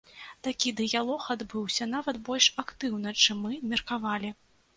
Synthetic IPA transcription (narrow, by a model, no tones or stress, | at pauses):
t̪akʲid̪ɨjalˠɔxad̪bɨwsʲɐnavɐt̪bɔlʲʂakt̪ɨwnɨt͡ʂɨmːɨmʲɛrkavalʲi